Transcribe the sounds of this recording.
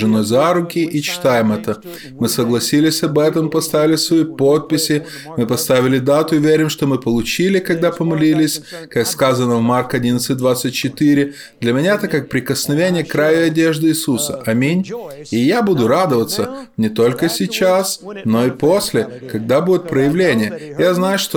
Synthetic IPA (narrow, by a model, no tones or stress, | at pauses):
ʐɨno̞jzaɾʊkʲɪʔit͡ɕɪ̥t̪ajɪmɛt̪ə | mɨsəɡlˠɐsʲilʲɪsʲɐbɛt̪əmpɐst̪avʲɪlʲɪsvɐipot̪̚pʲɪsʲɪ | mɨpɐst̪avʲɪlʲɪd̪at̪ʊɪvʲeɾʲɪmʂt̪omɨpəlˠʊt͡ɕilʲɪkɐɡ̚d̪apəmɐlʲilʲɪsʲkakskazənəvmarkɐdʲinət̪sɨt̚ʲd̪vat̪sɨt̚ʲt͡ɕɪt̪ɨɾʲɪ | d̪lʲəmʲɪnʲaɛt̪əkak̚pɾʲɪkəsnɐvʲenʲɪjəkɾajʊɪɐdʲeʐd̪ɨːsusəʔɐmʲinʲ | ɪjabud̪ʊɾad̪əvət̪sənʲɪt̪o̞lʲkəsʲɪt͡ɕasno̞ɪposʲlʲɪkɐɡ̚d̪abudʲɪt̪̚pɾəjɪvlʲenʲɪjəjaznajʊʂt̪o